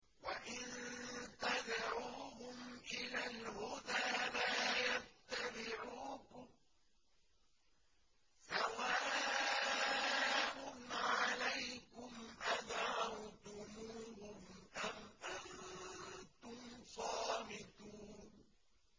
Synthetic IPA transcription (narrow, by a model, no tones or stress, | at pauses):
waʔɪnt̪ad̪ʕuːɦʊmʔɪlaːlhʊd̪aːlaːjat̪ːabɪʕuːkʊm | sawaː | ʔʊnʕaalajkʊmʔad̪ʕɾawt̪ʊmuːhʊmʔamʔan | t̪ʊmsˤɑːbɪt̪uːn